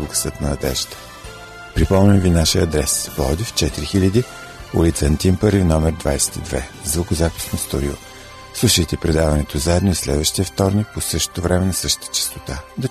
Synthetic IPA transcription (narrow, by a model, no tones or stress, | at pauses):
luɡə̥sət̪nɐɐd̪ɛ̰ʒ̥t̪ə̥ | pɾipɔmnʲəmvinaʃiəɐd̪ɾɛspɔd̪ift͡ʃɛt̪iɾixilʲəd̪i | ṵlit̪sənt̪impəɾifnɔmɛɾd̪va̰jsɛ̥t̪id̪vɛ̰zvokozapi̥snost̪oɾʲio̰ | slˠuʃəjt̪ɛpɾɛd̪avɐnɛt̪ozaɛd̪noislɛ̰d̪vəʃt̪iəft̪ɔɾnik̚posɤʃt̪o̥t̪ovɾɛmɛnɐsɤʃt̪ə̥t̪ə̥t͡ʃɛ̥st̪ot̪ad̪ɐ